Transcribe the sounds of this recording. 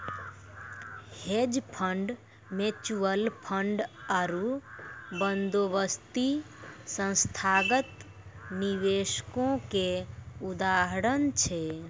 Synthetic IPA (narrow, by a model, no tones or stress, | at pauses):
hed͡ʒpʰə̃ɳɖ | met͡ʃuəlpʰəɳɖəɾu | bənd̪oʋəst̪isə̃nst̪ʰaɡət̪ | niʋeʃkõkeud̪aɦəɾənt͡ʃʰe